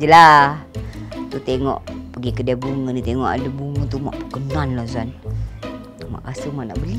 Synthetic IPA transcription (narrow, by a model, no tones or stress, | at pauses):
d͡ʒəla | t̪ut̪eŋɔ̰ʔpəɡikədabuŋənit̪eŋɔʔa̰dəbuŋət̪uma̰ʔpəkənanlasuan | t̪uma̰ʔkasəmaʔna̰ʔbəli